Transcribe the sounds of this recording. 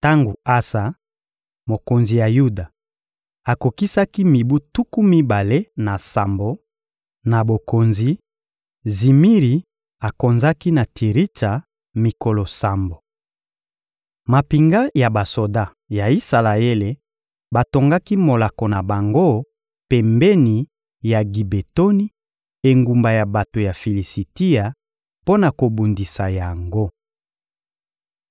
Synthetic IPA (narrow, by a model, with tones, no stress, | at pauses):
ta˦ŋɡu˨a˦sa˨ | mo˨ko˨nzi˨ja˨ju˦da˨ | a˨ko˨ki˦sa˦ki˦mi˨bu˦tu˦ku˦mi˦ba˨le˦na˨sa˨mbo˨ | na˨bo˨ko˨nzi˨ | zi˨mi˦ʁi˨ | a˨ko˨nza˦ki˦na˨tʰi˨ʁi˦ta˨ | mi˨ko˨lo˨sa˨mbo˨ | ma˨pi˨ŋɡa˦ja˨ba˨so˨da˦ | ja˨i˦sa˨la˨e˦le˨ | ba˨to˨ŋɡa˦ki˦mo˨la˨ko˨na˨ba˨ŋɡo˦ | pɛ˨mbɛ˦ni˨ | ja˨ɡi˨be˨to˦ni˦ | e˨ŋɡu˨mba˨ja˨ba˨to˨ja˨fi˨li˨si˨ti˦a˨ | po˦na˨ko˨bu˨ndi˨sa˨ja˨ŋɡo˦